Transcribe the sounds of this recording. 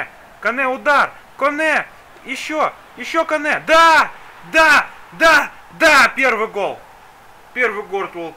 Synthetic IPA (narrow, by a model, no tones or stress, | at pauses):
kɐnɛʊd̪ar | konɛ | jɪɕːo | jɪɕːokɐnɛd̪a | d̪ad̪a | d̪apʲervɨjɡolˠ | pʲervɨjɡort̪olˠ